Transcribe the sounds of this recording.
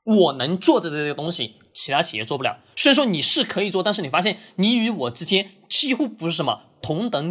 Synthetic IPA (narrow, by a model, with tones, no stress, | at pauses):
wɔ˨˩nɤ˧˥ŋt͡swɔ˥˧ʈ͡ʂə˧˩˧ə˥˩ə˩t̪ʊ˥ŋɕḭ˨ | t͡ɕʰi˧˥a˥t͡ɕʰi˨˩jɛ˥˩t͡swɔ˥˩pu˧˩jɑ˨˩˦swʂwɔ˥ni˨˩ʂɻ̩˥˩kʰɤ˧˥i˨˩t͡swɔ˥˧t̪a˥˧nʂɻ̩˥˩ni˩fa˥ɕ̬jɛ˥˩nni˧˥y˧˥wɔ˨˩ʈ͡ʂɻ̩˥t͡ɕjɛ˥n | t͡ɕi˥xu˥˧pu˧˥ʂɻ̩˥˩ʂə˧˥nmə̰˧ | t̪ʰʊ˧˥ŋt̪ɤ˧˥ŋ